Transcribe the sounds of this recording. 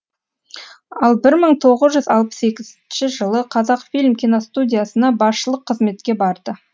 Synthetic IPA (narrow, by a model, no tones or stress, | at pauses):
ɑlˠbɪɾməɴt̪ʰo̞ʁəzʒʏzɑlˠpə̥se̞kʲɪzɪnʃɪʒəlˠəqʰɑzɑqfilʲmkʲijnost̪udʲijasənɑbɑsʃəlˠəqʰːəzme̞t̪kʲe̞bɑɾd̪ə